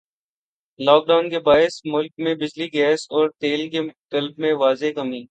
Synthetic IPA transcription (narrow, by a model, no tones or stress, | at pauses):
lɔːk̚ɖaːnkebaːɪsmʊlkmẽbɪd͡ʒliɡɛːsɔːɾt̪eːlkekɐlb̚mẽʋaːzekɐmiː